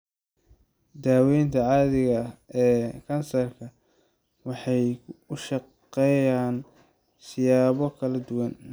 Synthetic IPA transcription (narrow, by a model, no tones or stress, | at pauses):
d̪aːwɛjnt̪ʰɐʕɑːðɪɣɐɛːkʰɐnsɐrkʰɐ | wɑħɑjʊʃɑ | ɛjaːn | sɪjaːβɔkʰɐlɐd̪ʊwɐn